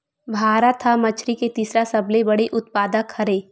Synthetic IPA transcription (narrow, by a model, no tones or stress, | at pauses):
bʱaːɾat̪ʰːamɐt͡ʃʰɾiket̪iːsɾasɐblebɐɽeʔʊt̪̚paːd̪əkʰːɐɾeː